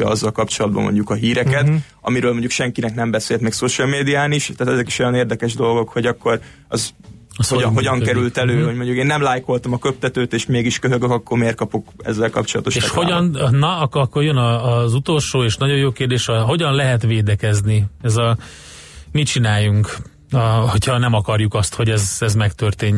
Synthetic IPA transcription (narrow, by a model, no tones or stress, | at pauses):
ɒ̰ɒzːɒlkɒpt͡ʃo̞lɒd̪̚bɒ̰mo̰ɲɟukɒɦiːɾɛkɛt̪ | ɒ̰miɾøːlmoɲɟukʃɛŋkinɛknɛmbɛseːlt̪mɛːksoʃɒlmeːd̪iaːniʃt̪aːt̪ɛzɛki̥ʃo̞jɒneːrd̪ɛkɛʒd̪o̞lɡo̞khoɟɒkːo̞ɾ | ɒz | ɒsoɦo̞ɟɒŋkɛɾylt̪ɛløːoɟmo̞ɲɟukeːnːɛmlaːjko̞lt̪ɒmɒkøp̚t̪ɛt̪øːt̪eːʃmeːɡiʃkøɦøɡøkɒkːormeːr̚kɒpo̞kɛ̰zːɛlkɒ̰pt͡ʃo̞lɒ̰t̪oʃeːʃhoɟɒnnɒɒkːkːo̞rjønɒːzut̪o̞lʃoːeːʃnɒɟo̞joːkeːrd̪eːʃɒɦo̞ɟɒnlɛɦɛt̪ʋeːd̪ɛkɛzniɛzɒ | mit͡ʃinaːjːuŋk | ɒho̞cʰhɒnɛmɒkɒrjukɒst̪ho̞ɟɛzɛzmɛkt̪ørt̪eːɲ